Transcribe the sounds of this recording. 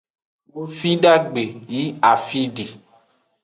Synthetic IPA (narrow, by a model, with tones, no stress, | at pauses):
wo˦fi˦ɖa˦ɡ͡be˨ji˦a˨fi˦ɖe˨